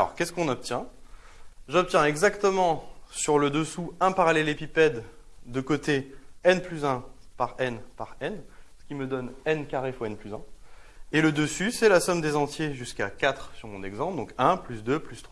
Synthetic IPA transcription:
alɔ̰ʁkʲɛskɔ̃nɔp̚t̪jɛ̃ | ʒɔp̚t̪jɛ̃ɛɡzakt̪əmɑ̃syʁləd̪əsuɛ̃paʁalɛlepipɛd̪ːəkot̪eɛnplyzɛ̃paʁɛnpaʁɛnsə̥kʲiməd̪ɔnɛnkaʁefoɛnplyzɛ̰̃eləd̪əsysɛlasɔmd̪ezɑ̃t̪jeʒyskakat̪χsyʁmɔ̃nɛɡzɑ̃pd̪ɔ̃kɛ̃plysd̪øplyst̪χwa

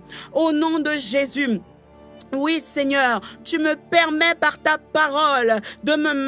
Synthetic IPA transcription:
onɔ̃d̪əʒezy | wisɛɲœʁt̪yməpɛʁmɛpaʁt̪apaʁɔld̪əməm

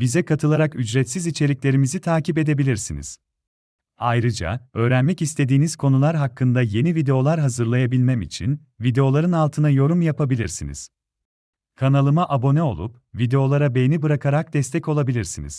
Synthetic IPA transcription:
bizɛkʰat̪ʰɯlˠaɾakyd͡ʒɾɛt̪sizit͡ʃʰe̞lʲiclʲe̞ɾimizit̪ʰaːcip̬e̞d̪e̞bilʲiɾsinḭz̥ | ajɾɯd͡ʒa̰ø̞ːɾænmɛcist̪ʰe̞d̪iːniz̥kʰo̞nulˠaɾɦakːɯnd̪aje̞nivid̪eo̞lˠaɾɦazɯɾlˠajabilʲmɛmḭt͡ʃʰḭn | vid̪e̞o̞lˠaɾɯnalˠt̪ʰɯnajo̞ɾumjapʰabilʲiɾsinḭz̥ | kʰanalˠɯmaʔabo̞nɛo̞̰lˠṵp̚ | vid̪e̞o̞lˠaɾabe̞jnibɯɾakʰaɾak̚d̪ɛst̪ʰɛco̞lˠabilʲiɾsinḭz̥

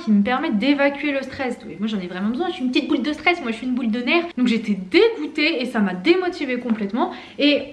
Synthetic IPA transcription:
kʲiməpɛʁmɛtd̪evakʲɥeləst̪χɛsemwaʒɑ̃nɛvʁɛmɑ̃bəzwɛ̃ʃiynpət̪it̪̚buld̪əst̪χɛsmwaʒəʃiːnbuld̪ənɛʁd̪ɔ̃ŋkʒet̪ed̪eɡut̪eːsamad̪emɔt̪ivekɔ̃plɛt̪mɑ̃ | e

